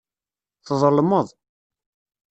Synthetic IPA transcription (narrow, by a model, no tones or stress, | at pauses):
θðˤəlməðˤ